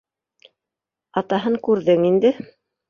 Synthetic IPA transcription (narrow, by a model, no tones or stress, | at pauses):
ɑt̪ɑɦɤŋkʉɾðɘŋind̪ɘ